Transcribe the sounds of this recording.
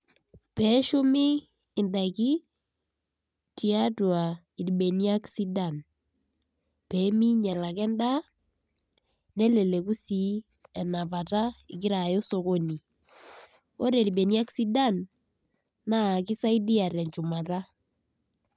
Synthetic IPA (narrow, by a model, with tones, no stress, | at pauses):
pɛ˨˦ʃʊ˦mɪː˦˨ | nda˨ki˦ | ti˨a˦twa˨ | i˨di˨ɓe˨ni˦a˦ksi˦da˨n | pe˨˦mi˦ɲɛ˨la˨k̬ɛ˦nda˦ | ne˦le˨le˨ku˦si˨˦ | ɛ˨na˨pa˨ta˦ɪ˨kɪ˦ɾa˨jo˦so˨ko˦ni˨ | o˦ɾe˨li˨ɓe˨ni˦a˦ksi˦da˦n | na˦˨ki˦sa˦i˦di˦a˨ɾɛ˨ɲt͡ʃu˨ma˨ta˦